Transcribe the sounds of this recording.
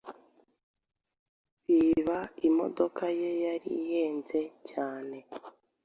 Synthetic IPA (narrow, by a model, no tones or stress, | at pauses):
βiβaimo̞̰do̞kʰaje̞jaɾḭje̞ːnze̞caːne̞